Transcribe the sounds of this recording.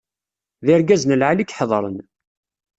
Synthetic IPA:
ðɪɾɡæznəlʕalikħðˤɾˤən

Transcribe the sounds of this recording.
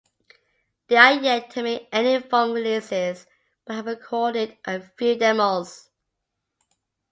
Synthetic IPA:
ðiəjɛtʰəmiɛnifɔ̃ŋlʉsɪz̥ | b̥ət̚həvəkʰɔːɾɪdʔəfjʉːdɛməlˠz̥

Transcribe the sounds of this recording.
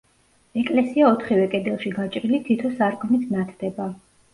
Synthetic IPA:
ɛkʼlɛsiaɔt̪ʰχivɛkʼɛd̪ɛlˠʃiɡat͡ʃʼɾilit̪ʰit̪ʰɔsaɾkʼnit̪ʰnat̪ʰd̪̥ɛba

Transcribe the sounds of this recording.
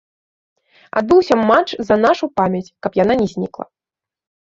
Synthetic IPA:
a̰d̪̚bɨwsʲɐmːat͡ʂzɐnaʂupamʲɐt͡sʲkɐpjan̪anʲɛzʲnʲiklˠɐ̰

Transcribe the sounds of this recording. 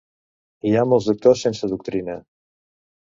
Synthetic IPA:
iamolˠzðuk̚t̪osːensəðuk̚t̪ɾinə

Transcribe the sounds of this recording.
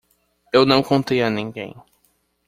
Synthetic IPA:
ewnɐ̃w̃kõt̪ejanĩŋɡḛ̃j̃

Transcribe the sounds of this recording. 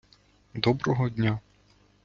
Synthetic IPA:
d̪ɔbɾɔɦɔd̪ʲnʲa

